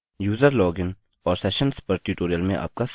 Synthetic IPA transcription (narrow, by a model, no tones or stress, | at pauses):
juːzəɾlɔːɡɪn | ɔːɾsɛʃə̃nspəɾʈuʈoːɾijəlmẽʔa̰ːp̚ka